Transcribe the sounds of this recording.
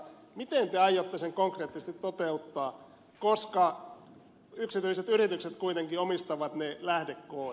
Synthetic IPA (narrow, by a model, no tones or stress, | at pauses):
mit̪ent̪eɑjot̪ːeseŋkoŋkreːt̪ːist̪it̪tːot̪eut̪ːɑː | koskɑ | yksit̪yiset̪yrit̪ykset̪kuit̪eŋkiomist̪ɑʋɑt̪nelæhdekːoː